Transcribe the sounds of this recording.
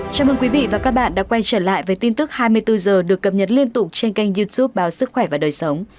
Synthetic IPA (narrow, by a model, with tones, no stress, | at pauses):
t͡ɕaː˧˩wʔəː˧˩kwi˨˦vḭ˧˨vaː˨˩kaː˦˥k̚ɓa̰ː˧˨nɗa̰ː˧˥kwa˧jt͡ɕəː˧˩la̰ː˧˨jvəː˨˦jt̪i˧nt̪ɨ˦˥k̚haː˧jmɨ˧əjt̪ɨ˧zəː˨˩ɗɨ˨˩əkːə˨˩p̚ɲə˨˩t̚li˧ənt̪ʊ˨˩k͡p̚t͡ɕe˧nka˧jŋ̟zu˧t̪ʰu˦˥p̚ɓaː˨˦wsɨ˦˥k̚xwɛ˧˩vaː˨˩ɗəː˨˩jsə˨˦wŋ͡m